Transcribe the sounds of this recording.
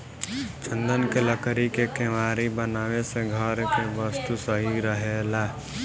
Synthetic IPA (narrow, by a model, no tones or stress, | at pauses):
t͡ʃə̃nd̪ənkeləkɾikekemaːɾibənaːʋeseɡʱəɾkeʋəst̪usəɦiɾəɦela